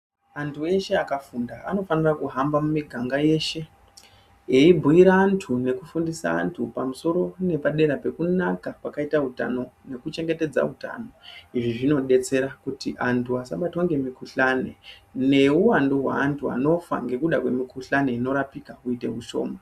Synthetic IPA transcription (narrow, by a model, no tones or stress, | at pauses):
antʰue̞ʃe̞akafundaano̞fanirakuɦambamumiɡʱaŋɡaje̞ʃe̞ | eibʱuiɾaːntʰune̞kufundisa̰ːntʰupamuso̞ɾo̞ne̞paɗe̞ɾape̞kunakapakaitaɦuta̰no̞ne̞kut͡ʃe̞ŋɡe̞te̞d͡za̰ɦuta̰no̞iʐiʐino̞ɗe̞t͡se̞ɾakutiʔantʰuasaɓatwaŋɡe̞mikuɬane̞̰ne̞uwandoɦwa̰ːntʰua̰no̞fa̰ŋɡe̞kuɗakwe̞mikuɬaneino̞ɾapikakuite̞ɦuʃo̞̰ːma